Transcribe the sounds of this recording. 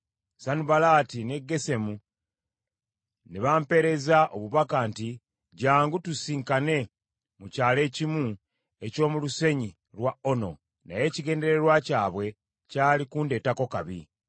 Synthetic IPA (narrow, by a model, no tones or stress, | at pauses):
sanuβalaːtine̞ɡːe̞se̞mu | neβaːmpe̞ɾe̞zaʔo̞βuβakaːnti | ɟaːŋɡutusiːŋkane̞ | mucaːle̞ːcimu | e̞co̞ːmuluse̞ɲi | ɾwao̞no̞̰ | na̰je̞ːciɡe̞ːnde̞ɾe̞ɾwacaːβwe̞ | caːlikunde̞ːtako̞kaβḭ